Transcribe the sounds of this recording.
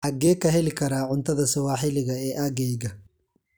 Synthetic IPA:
ħɐɡɛːkɐɦɛlɪkʰɐɾaːʕʊnt̪ʰɐðɐsɐwaːħɪlɪɣɐɛːʔaɣɛjɣɐ

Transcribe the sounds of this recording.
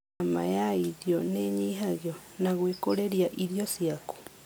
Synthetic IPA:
ma̰jaiðjoneɲiɦaɣjo | naɣwekoɾeɾjaʔiɾjosjaku̥

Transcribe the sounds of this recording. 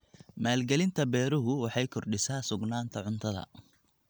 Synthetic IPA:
maːlɡɛlɪnt̪ʰɐbɛːɾʊɦʊwɑħɑjkʰɔrɖɪsaːsʊɡnaːnt̪ʰɐʕʊnt̪ʰɐðɐ̰

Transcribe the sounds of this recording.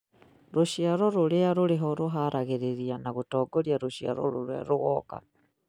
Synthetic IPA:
ɾuʃjaɾoɾuliaɾuliɦoɾuɦaɾʔaɣiɾiɾianaɣutoːɡoljaɾuʃja̰ɾo̰ɾuɾea̰ɾuɣoka̰

